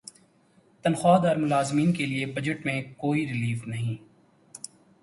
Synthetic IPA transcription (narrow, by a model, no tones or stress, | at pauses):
t̪ɐnxwaːd̪ɔːɾmʊlaːzmiːnkeliebɐd͡ʒəʈmẽkoːiɾɪliːfnɐɦĩː